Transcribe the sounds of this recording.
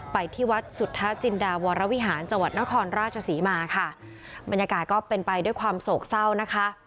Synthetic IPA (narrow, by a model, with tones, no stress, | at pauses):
pa˧jt̪ʰiː˥˩wa˦˥t̪̚su˨˩t̪ʰːa˦˥t͡ɕi˧ndaː˧wɔː˧ɾa˦˥wi˦˥ɦaː˩˦nt͡ɕa˧ŋwa˨˩t̪̚na˦˥kʰɔː˧nɾaː˥˩t̪̚t͡ɕʰa˧siː˩˦maː˧kʰa˥˩ | ba˧njaː˧kaː˨˩t̪̚kɔː˥˩pe˧npa˧jdu˥˩jkʰwaː˧msoː˨˩k̚sa˥˩wna˦˥kʰa˦˥ʔ